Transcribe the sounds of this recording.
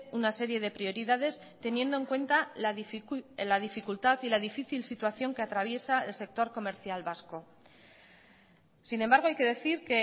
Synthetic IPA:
unase̞ɾje̞ð̞e̞pɾio̞ɾiðað̞e̞s | t̪e̞nje̞nd̪o̞e̞ŋkwe̞nt̪a | laðifikult̪aθilaðifiθilsit̪waθjo̞ŋke̞at̪ɾaβje̞saelse̞k̚t̪o̞ɾko̞me̞ɾθjalβasko̞ | sinembaɾɣ̞o̞ajke̞ðe̞θiɾke

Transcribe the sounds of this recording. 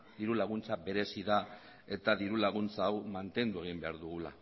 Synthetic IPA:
d̪iɾulaɣ̞unt͡sabe̞ɾe̞siða | e̞t̪aðiɾulaɣ̞unt͡saːwmant̪e̞nd̪ue̞ɣ̞imbe̞aɾðuɣula̰

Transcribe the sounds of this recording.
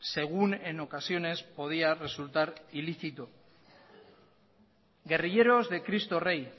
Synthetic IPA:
se̞ɣ̞une̞no̞kasjo̞ne̞spo̞ð̞iare̞sult̪aɾiliθit̪o | ɡe̞riʎe̞ɾo̞zðe̞kɾist̪o̞re̞j

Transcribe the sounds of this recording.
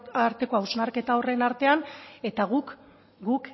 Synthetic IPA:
aɾt̪e̞ko̞awznaɾke̞t̪ao̞re̞naɾt̪e̞ane̞t̪aɣ̞uk | ɡuk

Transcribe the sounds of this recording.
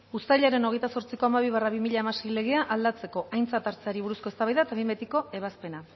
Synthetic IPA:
ust̪aʎaɾe̞no̞ɣe̞jt̪aso̞ɾt͡siko̞amaβiβaraβimiʎaemasile̞ɣ̞e̞aʔald̪at͡se̞ko̞ʔajnt͡sat̪aɾt͡seaɾiβuɾusko̞e̞st̪aβajðaet̪aβimbet̪iko̞e̞β̞aspe̞na

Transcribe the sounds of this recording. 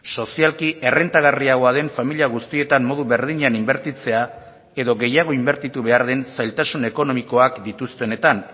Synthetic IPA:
so̞sialkiʔe̞re̞nt̪aɣ̞ariaɣ̞o̞aðe̞ɱfamiliaɣ̞ust̪ie̞t̪ammo̞ð̞uβe̞ɾð̞iɲanimbe̞ɾt̪it͡se̞a | e̞ðo̞ɣe̞jaɣ̞o̞imbeɾt̪it̪uβe̞aɾð̞e̞nsajlt̪asune̞ko̞no̞miko̞akd̪it̪ust̪e̞ne̞t̪an

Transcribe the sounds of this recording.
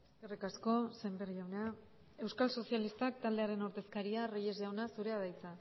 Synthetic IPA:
eskerikasko̞se̞mberiʝawna | e̞wskalso̞sialist̪akt̪ald̪e̞aɾe̞noɾt̪e̞skaɾiareje̞zʝawnasuɾe̞að̞ajt͡sa

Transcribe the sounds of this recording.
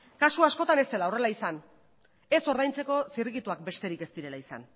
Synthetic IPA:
kasuasko̞t̪ane̞st̪e̞laore̞laisan | e̞so̞ɾð̞ajnt͡se̞ko̞siriɣit̪uak̚be̞st̪e̞ɾike̞st̪iɾe̞laisa̰n

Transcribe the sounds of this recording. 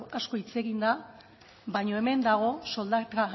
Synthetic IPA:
asko̞it͡se̞ɣind̪a | βajɲo̞e̞me̞nd̪aɣ̞o̞so̞ld̪aa

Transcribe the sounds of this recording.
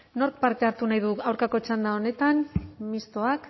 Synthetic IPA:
no̞ɾk̚paɾt̪e̞aɾt̪unajðuawɾkako̞t͡ʃand̪ao̞ne̞t̪anmist̪o̞ak

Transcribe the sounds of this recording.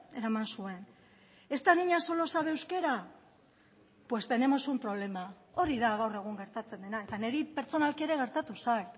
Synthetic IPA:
e̞ɾamansue̞n | e̞st̪aniɲaso̞lo̞saβe̞ːwske̞ɾa | pwe̞st̪ene̞mo̞sumpɾo̞β̞le̞ma | o̞ɾiðaɣ̞awre̞ɣ̞uŋɡe̞ɾt̪at͡se̞nd̪e̞nae̞t̪aneɾipe̞ɾt͡so̞nalkieɾe̞ɣ̞e̞ɾt̪at̪usajt̪

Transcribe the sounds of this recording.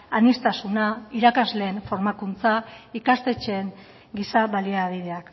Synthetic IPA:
anist̪asunaiɾakazle̞ːnfo̞ɾmakunt͡saikast̪e̞t͡ʃe̞ːŋ | ɡisaβaliaβiðe̞ak

